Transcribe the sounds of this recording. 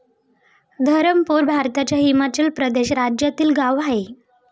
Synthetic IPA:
d̪ʱəɾəmpuɾbʱaɾt̪at͡ɕjaɦimat͡ɕəlpɾəd̪eɕɾad͡ʑjat̪iːlɡaʋaɦe

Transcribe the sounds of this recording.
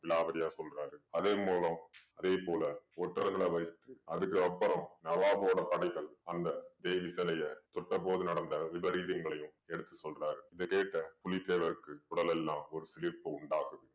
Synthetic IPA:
ʋɪlaːʋɐɾɪjaːsɔlraːɾɯɐðeːmoːlɐmɐðeːpoːlɐɔʈːɐɾɣɐɭɐʋɐɪt̪ːɯɐðɯkːɯɐpːɐɾɐ̃mnɐʋaːpoːɽɐpɐɽɐɪɣɐɭɐnd̪ɐd̪ɛjʋɪsɐlɐjɐt̪ɔʈːɐpoːðɯnɐɽɐnd̪ɐʋɪbɐɾiːðɐŋɡɐɭɐjɯ̃m | ɛɽɯt̪ːɯsɔlraːɾɯɪðɐkeːʈːɐpʊlɪt̪ːeːʋɐɾɯkːɯʊɽɐlɛlːãːɔɾɯsɪlɪɾpɐʊɳɖaːɣɯðɯ

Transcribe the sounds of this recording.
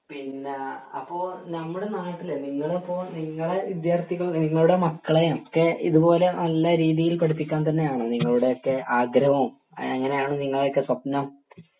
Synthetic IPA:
pinːeɐpːoːnɐmːuɽe̞naːjɐt̪ːileniŋːɐɭepːoːniŋːɐɭe̞ʋid̪jaːrt̪iɣɐɭniŋːɐɭuɽe̞mɐkːɐɭejokːeḭðupo̞ːle̞nɐlːɐɾiːðijilkoɽupːikʲːaːnt̪̬ɐnːe̞jaːɳɨniŋːɐɭuɽe̞jo̞kːe̞ʔaːɡɾɐʋɐɐm | ɐŋːɐne̞jaːɳɨniŋːɐɭo̞kːesʋɐpnɐm

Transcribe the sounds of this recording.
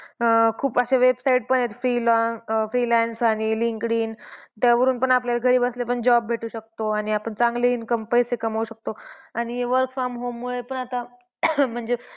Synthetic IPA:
kʰuːpəɕaʋebsaiʈ̚pəɳet̪fɾilɔfɾilɛnsaɽ̃iliŋkɽiːnt̪jaʋəɾuːnpəɳapljalaɡʱəɾiːbəslepəɳd͡ʑɔb̚ːbʱeʈuːɕək̚t̪oaɽ̃iapəɳt͡sãŋɡleinkəmpəɦjsekəmauɕək̚t̪oaɽ̃iʋəɾkfɾɔmɦomːuɭepəɳat̪a | m̤əɳd͡ze

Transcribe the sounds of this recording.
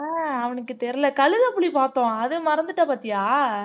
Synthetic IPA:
aːɐʋɐnɯkːɯt̪ɛɾɪlɐkɐɭɯðɐpːɯɭipaːt̪õːɐðɯmɐɾɐnd̪ɯʈːɐpaːt̪ːɪjaː

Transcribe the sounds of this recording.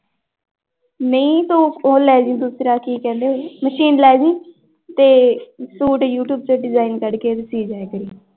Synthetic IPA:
nəĩːt̪õːoːlɛːd͡ʒɪ̃ːd̪ʊsɾaːkiːkɛ̃ːnd̪eɦoːməʃiːnlɛːd͡ʒĩː | t̪eːsuːʈjuːʈjuːb̚t͡ʃeɖɪzaːinkəɽkeːt̪esiːd͡ʒaːekəɾiː

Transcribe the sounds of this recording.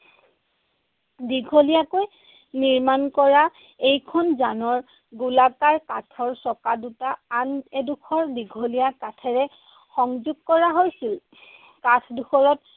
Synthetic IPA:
diɡʱolijakoj | niɹmankɔɹa | ejkʰɔnzanɔɹ | ɡulakaɹkatʰɔɹsɔkadutaːnɛdukʰɔɹdiɡʱolijakatʰɛɹɛ | xɔŋzuɡ̚kɔɹaɦojsil | katʰdukʰɔɹɔt̚

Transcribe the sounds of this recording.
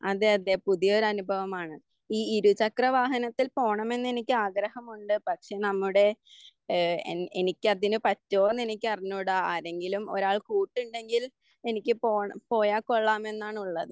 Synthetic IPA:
ɐðeɐðepuðijo̞ɾɐnubʱɐʋɐmaːɳɨ | iːiɾut͡ɕɐkrɐʋaːɦɐnɐt̪ːilpo̞ːɳɐme̞nːe̞nikʲːɨaːɡɾɐhɐmuɳɖɨpɐkʂe̞ːnɐmːuɽe̞ | enikʲːɨɐðinɨpɐtːoːnːe̞nikʲːɨɐriɲːuɽaːaːɾe̞ŋɡilumo̞̰ɾaːɭkuːʈːuɳɖe̞ŋɡil | e̞nikʲːɨpoːɳpo̞ːjaːkːoɭːaːme̞nːaːɳuɭːɐðɨ

